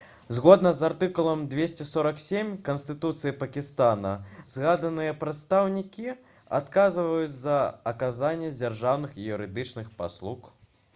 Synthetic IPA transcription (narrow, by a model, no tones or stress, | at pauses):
zɣɔd̪nɐzart̪ɨkulˠɐmd̪vʲesʲt͡sʲɛsɔɾɐksʲemʲkɐnst̪ɨt̪ut̪sɨjipɐkʲist̪anɐzɣad̪ɐnɨjɛpɾɐt̪st̪awnʲikʲi | a̰t̪kazɨvɐjut͡sʲzɐɐkazanʲːɛd͡zʲarʐawnɨxijuɾɨd̪ɨt͡ʂnɨxpa̰slˠux